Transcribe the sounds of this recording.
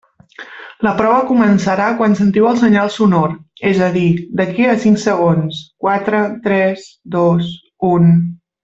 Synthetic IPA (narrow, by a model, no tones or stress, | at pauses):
ləpɾɔβəkumənsəɾakwansənt̪iwəlˠsəɲalˠsunoɾɛzəðid̪əkiəsiŋksəɣ̞onskwat̪ɾət̪ɾɛsd̪os | un